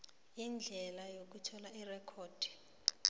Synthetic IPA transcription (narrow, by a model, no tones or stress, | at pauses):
ind͡ɮʱɛlajok̬utʰɔlairɛkʰoːd̥ʱi̥